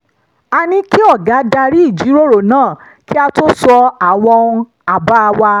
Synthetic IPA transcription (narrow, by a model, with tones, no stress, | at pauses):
a˧nĩ˧ki˦ɔ˦˨ɡa˨˦da˧ɾi˦i˦˨d͡ʒi˨˦ɾo˦ɾo˨nãː˦˨ | ki˦a˧to˦sɔ˧a˨w̃ɔ̃˧ũ˧ | a˨ba˦˧wa˧